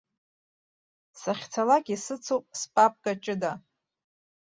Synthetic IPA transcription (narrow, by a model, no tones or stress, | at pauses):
saχʲt͡sʰalakʲʼisɨt͡sʰowpʼspʼap̚ʼkʼat͡ʃʼɪda